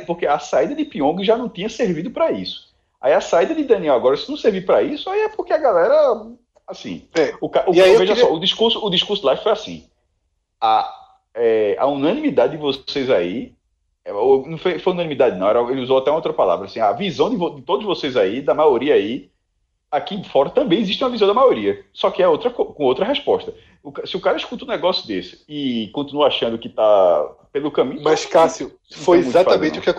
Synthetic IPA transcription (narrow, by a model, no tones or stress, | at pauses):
pohkeasaid̪ɐd̪ɪpiõɡɪʒanɐ̃w̃t̪ĩɲɐseɾvid̪ʊpɾaisʊ̥ | a̰iɐsaid̪ɐd̪ɪd̪ɐ̃niɛwaɡɔɾɐsɪnɐ̃w̃seɾvipɾaisʊaiɛpohkeɐɡalɛɾɐ | asḭ̃ɛʊkaʔuewveʒɐsɔud̪iʃkuɾsʊːd̪iʃkuɾsʊlˠaffojasḭ̃ | a | ɛa̰unɐ̃nĩmid̪ad̪ɪd̪ɪvosejzai | ɛewnɐ̃w̃fojfojunɐ̃nimid̪ad̪ɪnɐ̃w̃ɛɾɐelɪuzowat̪ɛũowt̪ɾɐpala̰vɾɐasĩavizɐ̃w̃d̪ɪvod̪ɪt̪od̪ʊzvosejzaid̪ɐmajoɾiɐai | akĩfɔɾɐt̪ɐ̃mbẽj̃iziʃt̪iũɐvizɐ̃d̪ɐmajoɾiɐsɔkɪɛowt̪ɾɐkokõowt̪ɾɐɦɛʃpɔʃt̪ɐ | ukasɪukaɾɐiʃkut̪ɐʊunɛɡɔsjʊd̪esɪ̥ːkõt̪inuɐaʃɐ̃nd̪ʊkɪt̪apelʊkɐ̃mĩɲmaskasũ | fojɛmũzat̪faɐmẽt̪ɪukɪɛ